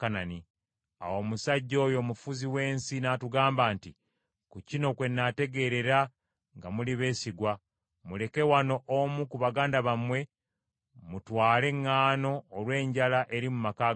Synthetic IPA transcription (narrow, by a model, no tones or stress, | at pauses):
kanani | a̰wo̞musaɟːo̞ːjo̞ːmufuziwe̞ːnsinaːtuɡaːmbaːnti | kucino̞kwe̞nːate̞ɡe̞ɾe̞ɾa | ŋɡamuliβe̞ːsiɡwa | mule̞ke̞wano̞ʔomukuβaɡaːndaβamwe̞ | mutwaːle̞ŋːaːno̞ːlwe̞ːɲɟalaʔe̞ɾimumaka